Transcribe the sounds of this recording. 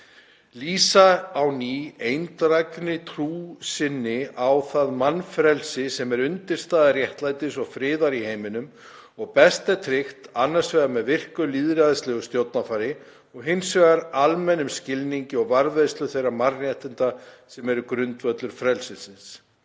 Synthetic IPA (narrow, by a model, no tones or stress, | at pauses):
liːsaawniejnt̪ɾajknɪt̪ʰɾuːsɪnːɪawθaðmanːfɾɛlsɪsɛmɛɾʏnt̪ɪɾ̥st̪aːðarjɛht̪laːjt̪ɪsɔɣfɾɪːðaɾiheːjmɪnʏm | ɔɣpɛst̪at̪ʰɾɪxt̪anːaɾ̥svɛːɣamɛðvɪr̥kʏliðɾaðɪst̪lɛɣʏst̪jowt̪nafaːɾɪ | ɔɣɦɪnsvɛɣaɾalmɛnʏmscɪlniɲcɪɔɣvaɾvejst̪lʏθejrːamarjɛht̪ɪnt̪asɛmɛɾʏkɾʏnt̪vœt̪lʏɾ̥fɾɛlsɪnsɪns